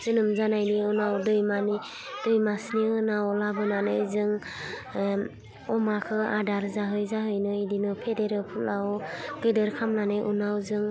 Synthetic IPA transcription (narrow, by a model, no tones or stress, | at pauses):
z̥ɯnɯmzanajniunawdɯjmani | d̥ɯjmasniɯnawɔlabɯnanɯzɯŋ | ɔmakʰɯadaɾzaɦɯjzaɦɯjnɯidinɯpʰedeɾɯpʰulawɡ̥ɯdɯɾkʰamnanɯjʔunawzɯŋ